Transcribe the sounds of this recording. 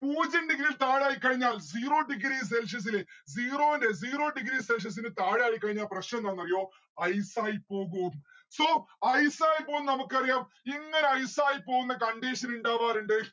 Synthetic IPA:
puːd͡ʑɐɳɖiɡɾilt̪aːɻaːjikːɐɻiɲːaːld͡ʑiːro̞ːɖiɡɾis̬elʂ̬ɐs̬ileziːroːindeziːro̞ːɖiɡɾiselʂ̬ɐs̬inɨt̪aːɻaːjikːɐɻiɲːaːlprɐɕnɐmnaːnːɐrijo̞ː | ɐjsaːjipo̞ːɣuɐm | soːɐjsaːjpo̞ːunːɐnɐmukːɨɐrijaːm | iŋːɐneɐjsaːjipo̞ːɣunːɐkɐɳɖiːɕɐnuɳɖaːʋaːɾuɳɖɨ

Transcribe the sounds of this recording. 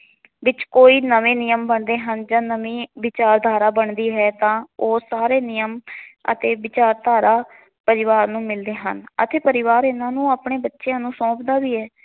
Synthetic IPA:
ʋɪt͡ʃkoːiːnəʋẽːnɪjəmbəɳd̪eːɦənd͡ʒãːnəʋĩːʋɪt͡ʃaːɾd̪ʱaːɾaːbəɳd̪iːɦɛːt̪ãːoːsaːɾeːnɪjəmə̰t̪eːʋɪt͡ʃaːɾt̪aːɾaː | pəɾɪʋaːɾnũːmɪld̪eːɦə̰nət̪eːpəɾɪʋaːɾɪnãːnũːaːpɳeːbətːʃeãːnũːsɔ̃ːpd̪aːʋiːɛː

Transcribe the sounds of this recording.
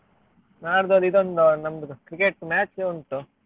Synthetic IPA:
naːɾd̪od̪id̪ond̪unɐmd̪ukɾikeʈmaːt͡ʃeonʈu

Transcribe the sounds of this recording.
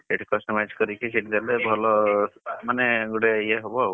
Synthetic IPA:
seʈʰikɔsʈɔmad͡ʒkɔɾikisiʈd̪elebʱɔlɔmaneɡuɽeieɦobɔ

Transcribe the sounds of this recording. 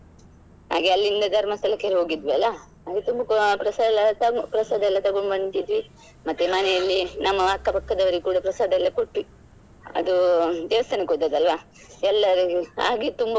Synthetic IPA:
ɦa̰ːɡeɐlːind̪ɐd̪ʱɐɾmɐst̪ʰɐlɐkːeɾɦo̞ːɡid̪ʋiɐlːɐ | ɦaːɡet̪umbɐpɾɐsadlːɐt̪ɐpɾɐsaːd̪ɐɛlːɐt̪ɐɡoɳɖbɐɳʈ̪id̪ʋi | mɐt̪ːemɐnɛjɐlːinɐmːɐɐkːɐpɐkːɐd̪ɐʋɐɾiɡekuːɽɐpɾɐsaːd̪ɐɛlːɐkoʈːi | ɐ̰d̪ud̪ɛːʋɐst̪ʰɐnɐkot̪ːɐd̪ɐlʋa | ɛlːɐɾiɡa̰ːɡet̪umbɐ

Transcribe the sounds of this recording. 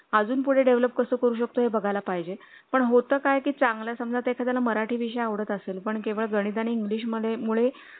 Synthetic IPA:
əd͡zuːnpuɽ̤eɖeʋləpkəsəːkəɾuːɕ̬ək̚t̪oɦebəɡʱalapaɦid͡ʑe | pəɳɦot̪əːkajkiːt͡saŋɡlasəmd͡zat̪ekʰat̪jalaməɾaʈʰiːʋiɕ̬əjaʋɽ̤ət̪əselpəɳkeʋəɭɡəɽ̃id̪aniiŋɡliːɕ̬məd̪ʱemuɭe

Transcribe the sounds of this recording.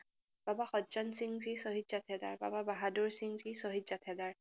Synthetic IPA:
b̥abaxɔzɔnsiŋzisoɦitzatʰɛda̰ɹba̰babaɦadoɹsiŋzisoɦitzatʰɛdaɹ

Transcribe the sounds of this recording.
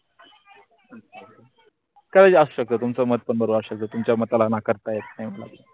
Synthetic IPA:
kəd̪ad͡ʑasuɕək̚t̪oːt̪umt͡səməɦət̪̚pəɳbəɾoaɕək̚t̪oːt̪umt͡ɕjamət̪alanakəɾt̪ajet̪̚najməla̰kə

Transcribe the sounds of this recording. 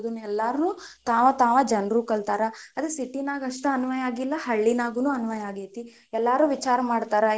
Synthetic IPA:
d̪unːuɛlːaɾnuː | t̪aːʋɐt̪aːʋɐd͡ʒɐnɾuːkɐɭt̪aːɾɐɐd̪ɾesiʈːinaːɡɐʂʈɐɐnuʋɐjaːɡilːɐhɐɭːinaːɡunuːɐnuʋɐjaːɡeːt̪i | ɛlːaːɾuːʋit͡ʃaːɾɐmaːɽt̪aːɾɐ

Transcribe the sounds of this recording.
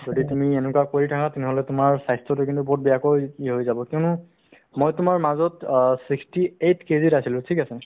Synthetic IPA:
zoditumienʊkuakoɹitʰakãtɛnɛɦolɛtʊmaɹsajstɹɔtʊkĩntubɔt̚bɛjakojiɦojzabɔkʊnʊ | mojtʊmaɹmazɔtsikstietʰkezitasilʊ̃tʰikasɛ

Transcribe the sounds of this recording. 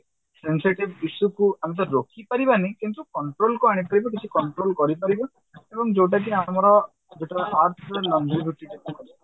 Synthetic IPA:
sensiʈibisukuamit̪̬ɔɾːokʰipaɾibanikint̪ukɔɳʈɾolkuaɽ̃it̚kɔɾibɔk̬it͡ʃʰikɔɳʈɾolkɔɾipaɾibɔ | ebɔŋd͡ʒowʈ̬ak̬iamɔɾɔ | d͡ʒeʈaʔaɾt̪ʰɔlɔnd͡ʒiɾut̪ikekɔkɔɾ

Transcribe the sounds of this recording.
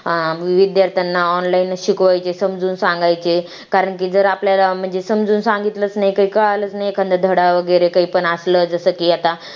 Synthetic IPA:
ʋid̪jaɾt̪ʰanːaɔnlainɕukʋajt͡sesəmd͡zuːnsãŋɡajt͡se | kaɾəɳk̬iːd͡zəɾapljalam̤əɳd͡zesəmd͡zuːnsãŋɡit̪lət͡snaɦjkəikəɭalət͡snajkʰənd̪ʱd̪ʱəɽaʋəɡəjɾekaɦipəɳasləːd͡zəsəːkiːat̪a

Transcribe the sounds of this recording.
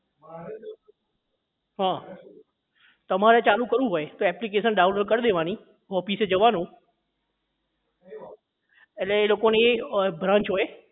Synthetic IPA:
ɦãː | t̪ɐmaːɾet͡ɕaːlukɐɾũɦoet̪oɛːplikeːʃənɗaːʊnloɖkɐɾɗ̪eʋaːni | ɦɔːfiːsed͡ʑɐʋaːnũ | eleloːkonebʱɾãːɲt͡ʃɦoːeː

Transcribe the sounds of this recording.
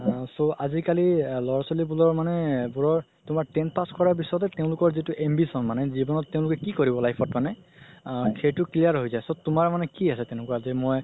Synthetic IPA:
soazikalilɔɹasolibulɔɹmanɛbulɔɹ | tʊmaɹtɛnpaskɔɹaɹbisɔtɛteʊ̃lʊkɔɹzitʊʔembisɔnmanɛzibɔnɔtːẽʊ̃lʊkɛkikɔɹibɔlajpʰɔtmanɛ | xʰejtʊklijaɹɦojzajsotʊmaɹmanɛkiasɛteñɛkuazimɔj

